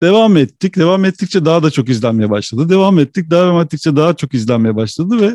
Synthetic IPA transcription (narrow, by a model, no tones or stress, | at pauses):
d̪̥e̞vamɛt̪ʰːic̚d̪e̞vamɛt̪ʰːic̚t͡ʃʰɛd̪aɦad̪at͡ʃʰo̞kizlʲænme̞jɛbaʃlˠad̪ɯd̪e̞vamɛt̪ːic̚d̪aaamɛt̪ːic̚t͡ʃʰɛd̪aɦat͡ʃʰo̞kizlʲænme̞jɛbaʃlˠad̪ɯvɛ